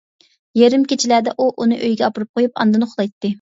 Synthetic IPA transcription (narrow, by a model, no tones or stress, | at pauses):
jeɾɪmkʲet͡ʃʰilæd̪ɛʔuʔunɨʔøjɡʲɛɑpuɾup̚qʰojupɑ̰nd̪ɨnɨχʊlˠɑjt̪ʰːɨ